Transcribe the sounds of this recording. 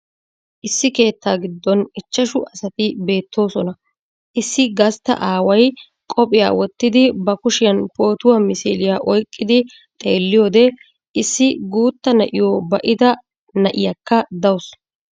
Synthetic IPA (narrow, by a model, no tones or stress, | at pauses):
ʔɪsːɪke̞ːt̪ːaːɡɪd̪ːɔnɪt͡ʃːɐʃʊʔɐsɐt̪ɪbe̞ːt̪ʰːo̞ːsɔnɐ | ʔɪsːɪɡɐst̪ːɐ̰ʔaːwɐj | kʼɔpʼɪja̰ːwɔt̪ːɪd̪ɪbɐkʊʃɪjɐnpo̞ːt̪ʊwamɪsḭːlɪjaʔɔjkʼːɪd̪ɪ | t̪ʼe̞ːlːɪjoːd̪ɛ | ɪsːɪɡuːt̪ːɐnɐʔɪjoːbɐʔɪd̪ɐ | nɐʔɪjɐkːɐd̪ɐws